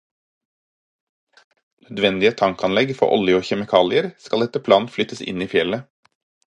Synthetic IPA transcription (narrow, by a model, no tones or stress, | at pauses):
nød̪ʋɛnd̪ɪət̪ʰɑŋkɑnlɛɡfɔ̰ʔɔ̰lɪʊçɛmɪkʰɑːlɪəɾskɑld̪ɛt̪əpʰlɑːn̩flʏt̪əsɪ̰niːfjɛlə